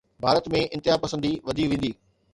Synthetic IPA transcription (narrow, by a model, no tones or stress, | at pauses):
bʱaːɾət̪mẽɪ̃nt̪ɪɦapɐsə̃nd̪iʋɐd̪ʱiʋẽːn̆d̪iː